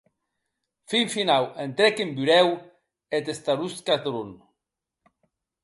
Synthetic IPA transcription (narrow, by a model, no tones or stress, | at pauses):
fiɱfinawent̪ɾɛkembyɾɛw | et̪est̪aɾuskat̪ɾun